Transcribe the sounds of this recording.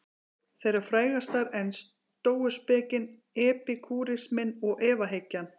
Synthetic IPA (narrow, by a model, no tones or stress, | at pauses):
θejɾaɾ̥fɾaːjɣast̪aɾɛns | t̪oːwʏspɛːcɪn | ɛːpɪkʰuːɾɪsmɪnɔɣʔɛːvaɦecːan